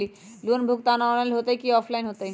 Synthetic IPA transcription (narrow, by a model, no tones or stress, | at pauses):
i | luənbʱuk̚t̪anaɔnalɦot̪ajkiɔpʰlainɦot̪aj